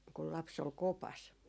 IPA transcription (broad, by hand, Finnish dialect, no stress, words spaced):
kul lɑps ol kopɑs